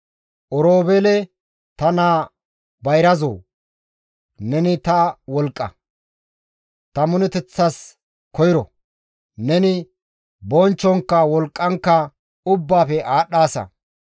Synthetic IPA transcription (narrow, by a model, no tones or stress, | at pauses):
ʔɔɾoːbɛlɛ | t̪ɐnaː | bɐjɾɐzo̰ː | nɛnɪt̪ɐwɔlkʼːɐ̰ | t̪ɐmʊnɛt̪ɛt͡sːɐs | kɔjɪɾɔ | nɛnɪ | bɔnt͡ʃːɔŋkːɐwɔlkʼːɐŋkːɐ | ʊbːaːfɛʔaːɗːaːsɐ̰